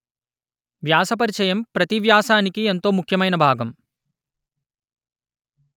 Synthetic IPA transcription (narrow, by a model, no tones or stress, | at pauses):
ʋjaːsɐp̬ɐɾit͡ʃɐjɐmpɾɐt̪iʋjaːsaːnikient̪oːmukʰːjɐmɐjnɐbʱaːɡɐm